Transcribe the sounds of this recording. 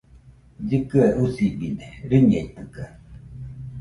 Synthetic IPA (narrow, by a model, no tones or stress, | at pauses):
d͡ʒɨkɨaʔusibineɾiɲeit̪ɯka